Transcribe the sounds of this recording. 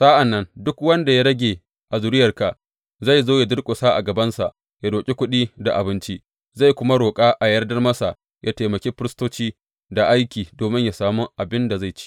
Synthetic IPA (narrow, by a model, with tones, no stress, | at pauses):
sa˦ʔa˨nːɐ˦ndʊ˦kwɐ˦nda˨ja˦ɾɐ˦ɡʲeː˨ | ʔa˨zʊ˨ɾɪ˦jɐ˨rka˨ | za˦˨jzoː˦ja˨dɪ˦rkʷʼo˨sa˦ʔa̰˨ɡɐ˨bɐ˦nsa˨ʔ | ja˦doː˨kʲʼi˦kʷʊ˦ɗiː˦da˨ʔa˨bɪ˦nt͡ʃi˦ | za˦˨jkʷʊ˦ma˦ɽoː˨kʼaː˦ʔa˨jɐ˦rdɐ˦rmɐ˦sa˨ʔ | jʔaː˦teː˨mɐ˨kʲeː˦ɸɪ˦ɾɪ˦stoː˦t͡ʃiː˦ | da˨ʔa˦jkʲiː˨doː˨mɪ˦ɲja˨saː˦mu˦ʔa˨bɪ˦nda˨za˦˨jt͡ʃi̥˦ʔ